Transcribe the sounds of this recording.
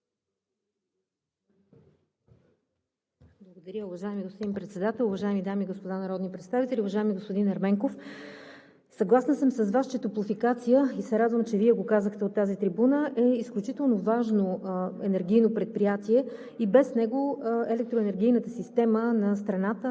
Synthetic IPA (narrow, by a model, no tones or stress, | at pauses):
blˠɐɡod̪ɐɾʲəʊvɐʒaɛmiɡost̪od̪impɾɛt̪sɛd̪at̪ɛlˠʊvɐʒaɛmid̪amiɡospod̪anɐɾɔd̪nipɾɛt̪st̪avit̪ɛlʲiʊvɐʒaɛmiɡospod̪inɐɾmɛŋkof | sɐɡlˠasnəsəmsəzvast͡ʃɛt̪oplˠofikat̪sijəisɛɾad̪vəmt͡ʃɛviɛɡokazəxt̪ɛot̪ːazit̪ɾibunəʔɛisklʲut͡ʃit̪ɛlˠnovaʒnoɛnɛɾɡ̟ʲijnopɾɛt̪̚pɾijat̪iɛ | ibɛsnɛɡoɛlɛk̚t̪ɾoɛnɛɾɡ̟ʲijnət̪əsist̪ɛmənɐst̪ɾɐnat̪ə